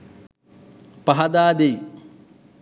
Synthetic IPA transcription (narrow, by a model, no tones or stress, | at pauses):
paɦɐd̪aːd̪ej